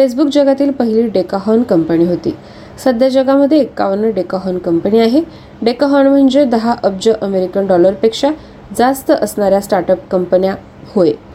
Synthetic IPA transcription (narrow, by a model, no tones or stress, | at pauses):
fes̬bukd͡ʑəɡat̪iːlpəɦiliːɖekaɦɔnkəmpəniːɦot̪ḭː | səd̪ʱjad͡ʑəɡaməd̪ʱːjeːkːa̰ʋənəɖekaɦɔnkəmpəniːaɦe | ɖekaɦɔnm̤əɳd͡zed̪əɦaʔəb̚d͡ʑəʔəmeɾikənɖɔləɾpekʂa | d͡zast̪əʔəsnaɾjasʈaɾʈəpkəmpənja | hoe